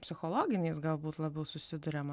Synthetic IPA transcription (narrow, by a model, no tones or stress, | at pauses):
pʲsʲɪxolˠoːɡʲɪnʲeːsɡɐlˠbuːt̪lˠɐbʲɛʊsʊsʲɪd̪ʊɾʲɛmɐ